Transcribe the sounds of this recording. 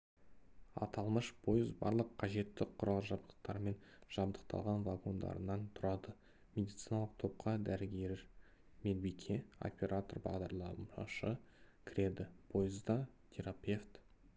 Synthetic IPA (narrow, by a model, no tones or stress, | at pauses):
ɑ̰t̪ɑlˠməʃpʰojɪzbɑ̰ɾlˠəqʰːɑʒe̞t̪ːɪqʰʊɾʔɑlˠəʒɑbd̪ə̥q̚t̪ɑɾme̞nʒ̥ɑbd̪əq̚t̪ʰɑ̰lˠʁɑnvaɡo̞nd̪ɑ̰ɾənɑnt̪ʰʊɾɑd̪ə | mʲe̞d̪ijt̪sijnɑlˠəq̚t̪ʰo̞p̚qʰɑd̪æɾɡʲe̞ɾɪ | mʲed̪bikʲʰe̞o̞̰pʲe̞ɾʔat̪o̞rbɑ̰ʁd̪ɑɾlˠɑmɑʃəkʲʰɪɾe̞d̪ɪpʰo̞jɪzd̪ɑt̪ʲʰe̞ɾapʲe̞ft̪